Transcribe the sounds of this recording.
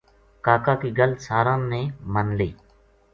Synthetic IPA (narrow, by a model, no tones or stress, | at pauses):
kaːkaːkiːɡəlsaːɾãːnẽːmənleː